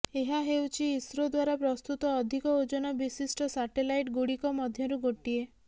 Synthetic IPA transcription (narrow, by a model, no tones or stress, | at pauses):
eɦaɦewt͡ʃʰiːsɾɔd̪waɾapɾɔst̪ut̪ɔːd̪ʱikɔud͡ʒɔnɔbisisʈɔsaʈelajʈɡuɽikɔmɔd̪ʱjɔɾuɡoʈie